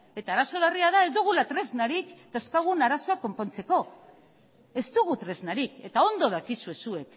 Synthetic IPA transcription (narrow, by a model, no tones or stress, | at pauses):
e̞t̪aːɾaso̞lariaðae̞zd̪uɣ̞ulat̪ɾe̞znaɾikt̪oskaɣ̞unaɾaso̞akːo̞mpo̞nt͡se̞ko̞ | e̞zt̪uɣ̞ut̪ɾe̞znaɾike̞t̪ao̞nd̪o̞ð̞akisue̞sue̞k